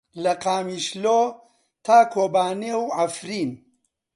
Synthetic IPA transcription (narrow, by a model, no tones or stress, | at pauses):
lɐqaːmiːʃloː | t̪ʰaːkʰoːbaːnewʕafɾiːn